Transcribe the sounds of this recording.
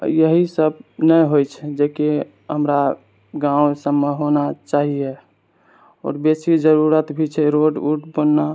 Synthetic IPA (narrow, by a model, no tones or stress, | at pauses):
jəɦisəb̚nəjɦojt͡ʃʰɛd͡ʒeke | ɦəmɾa | ɡãwsəmːeɦonat͡ʃaɦije | ɔ̰ːɾbesid͡ʒəɾuɾət̪bʱit͡ʃʰɛɾoɖuʈbənːa